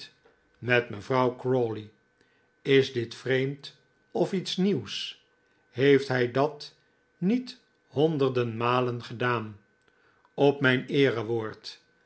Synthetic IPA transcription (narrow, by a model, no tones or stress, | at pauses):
mɛtməvrɑwkroli | ɪzdɪtfrejmt | ɔfitsniws | hejftɦɛjdɑt | nit | hɔndəʁdənmaːlənχədaːn | ɔpmɛjnɪːrəʋoːɹt